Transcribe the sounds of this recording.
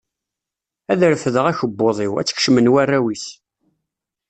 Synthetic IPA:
æðɾfəðəʁæçəbːoðˤɪwæ̰t͡sːə̥kʃmənwærːæwiθ

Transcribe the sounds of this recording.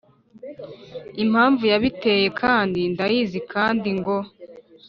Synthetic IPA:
im̥haːɱvujaβite̞je̞kʰaːndindajiːzikʰaːndiŋɡo̞

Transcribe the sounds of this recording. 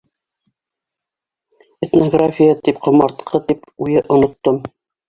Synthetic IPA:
et̪noɡrafʲijət̪ip̚qŏmɑɾt̪qʰɤt̪ipujɤʔŏnŏt̪ːom

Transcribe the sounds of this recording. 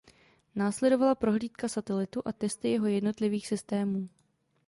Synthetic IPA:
naːslɛdo̞valapɾo̞ɦliːt̪kasat̪ɛlɪt̪uʔat̪ɛst̪ɪjɛɦo̞jɛdno̞t̪lɪviːxsɪst̪ɛːmuː

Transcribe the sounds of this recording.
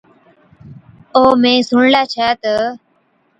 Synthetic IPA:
oːmẽːsʊɳlaːt͡ʃʰaːt̪ə

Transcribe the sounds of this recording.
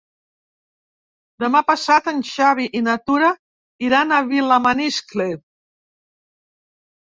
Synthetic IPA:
d̪əmapasat̪ənʲʃaβ̞iʔinat̪uɾa | iɾanaβilamanisklet

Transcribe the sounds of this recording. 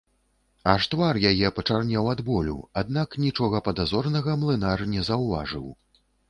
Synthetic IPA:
aʂt̪varjajɛpɐt͡ʂarnʲawad̪bɔlʲṵad̪̚naknʲit͡ʂɔɣɐpɐd̪azɔrnɐɣɐmlˠɨnarnʲɛzɐwva̰ʐɨ̰w

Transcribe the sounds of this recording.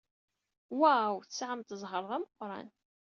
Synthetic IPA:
wæwθəsʕəmt̪əzˤɦəɾˤðˤæməqːɾˤɑ̰n

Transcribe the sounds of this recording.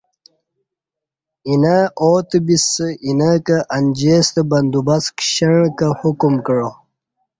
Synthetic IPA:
inaoːt̪bisəinakɐʔɐnʲd͡ʑeːst̪əbɐnd̪ubɐskɕɐɻ̃kahukumkəɻo

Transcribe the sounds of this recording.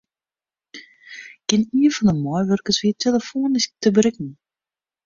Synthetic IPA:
kɪniəfɔndəmɔjʋørkəsʋiətʰeləfoːnɪs̚təbɾɪkn̩

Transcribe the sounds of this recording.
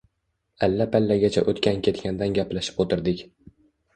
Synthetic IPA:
alːapʰalːaɡʲat͡ʃʰa̰ʔot̪kʲʰankʲʰe̞t̪kʲand̪anɡʲapʰlaʃɪ̥pot̪ʰɪɾd̪ɪkʲ

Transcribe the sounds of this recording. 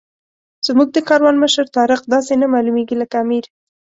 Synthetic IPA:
z̥muɡ̚d̪əkɑɾwɑnməʃəɾt̪ɑɾɪqd̪ɑsenamɑlumeɡiləkaamiɾ

